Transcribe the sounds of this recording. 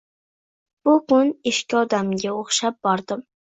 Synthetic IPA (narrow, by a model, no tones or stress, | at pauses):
b̥ukʊneʃkʲiɑd̪amɡʲɛoχʃɛp̚bɑɾd̪ɨm